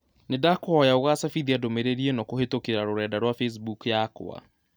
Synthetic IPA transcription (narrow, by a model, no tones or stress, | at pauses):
nedakɔɔjaoɣasafiðiadomeɾeɾienɔkohetokeɾaɾoɾɛːdaɾwafes̬bukjako̰a̰